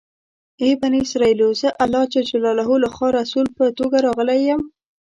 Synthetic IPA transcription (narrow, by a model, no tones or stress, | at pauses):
ebaniɪsɾɑilozəʔalːɑt͡ʃed͡ʒalɑlaɦulaxwɑɾasulpət̪oɡaɾɑɣəlajəm